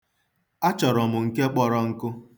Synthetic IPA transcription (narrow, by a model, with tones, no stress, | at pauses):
a˦t͡ʃɔ˨ɾɔ˨mʊ˨ŋ̩˨ke˦k͡pɔ˦ɾɔ˦ŋ̩˦kʊ˦